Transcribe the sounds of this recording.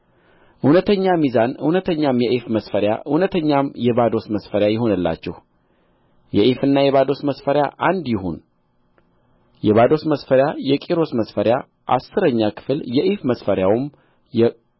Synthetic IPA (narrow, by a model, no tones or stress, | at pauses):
ʔɨnət̪ʰəɲːamizanɨhnət̪ʰəɲːamjɛʔifməsfəɾja̰ʔɨwnət̪ʰəɲːamjɛbad̪o̞sməsfəɾjajɪɦo̞nɨlːa̰t͡ʃːɛ̰h | jɛʔefɨnːajɛβad̪o̞sməsfəɾja̰ʔand̪jɪɦo̰n | jɛβad̪o̞sməsfəɾjajɛkʼiɾo̞sməsfəɾja | ʔa̰sːɨɾəɲːakʰɨ̥fljɛʔifməsfəɾjawɨm | jɛ